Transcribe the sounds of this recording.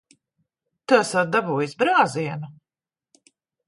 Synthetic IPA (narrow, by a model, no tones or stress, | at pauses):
t̪uasat̪̚d̪abuːjisbɾaːziɛnu